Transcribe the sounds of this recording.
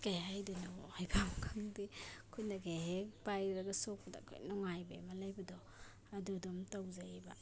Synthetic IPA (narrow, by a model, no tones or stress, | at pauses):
kajhajdenaɔhajɡʰamkʰaŋdikʰujnaɡeɦekpajɾaɡasok̚pɐda̰kʰo̰jnɔŋajbḛjmalajbadɔ | adudɔmtawzajba